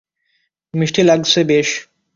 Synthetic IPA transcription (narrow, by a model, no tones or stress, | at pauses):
miʃʈʰilaɡsʰebeʃ